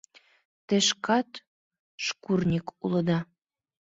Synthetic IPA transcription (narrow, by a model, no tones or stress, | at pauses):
t̪ĕʃkɑt̪ | ʃkurnʲikulə̆d̪ɑ